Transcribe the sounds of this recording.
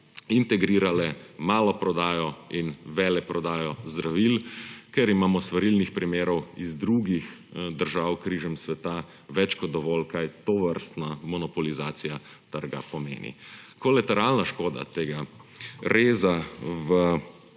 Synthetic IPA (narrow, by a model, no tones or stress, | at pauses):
int̪ɛɡɾiːɾalɛmaːlɔpɾɔd̪aːjɔinʋɛːlɛpɾɔd̪aːjɔzd̪ɾaʋilkɛɾimaːmɔsʋɐɾilnixpɾimeːɾɔwizd̪ɾuːɡixd̪əɾʒaːwkɾiːʒɛmsʋɛt̪a | ʋɛt͡ʃkɔd̪ɔʋɔlkajt̪ɔʋəɾst̪namɔnɔpɔlizaːt̪sija | t̪əɾɡa̰pɔmḛːnḭkɔlat̪ɛɾalnaʃkoːd̪a̰t̪eːɡa | ɾeːzaʋə